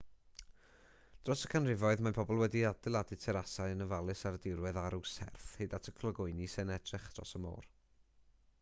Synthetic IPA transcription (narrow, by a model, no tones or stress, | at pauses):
d̥rɔsə̥kʰanrɪvɔɨðmapʰɔbɔlˠwɛdiadɪlˠadɨtʰɛɾasaɨənəvalˠɨsaɾədɪɾwɛðaɾʊsɛ̰rθhejdatʰəkʰlˠəɡʊɨnisɛnɛdrɪχd̥rɔ̰səmo̰ːr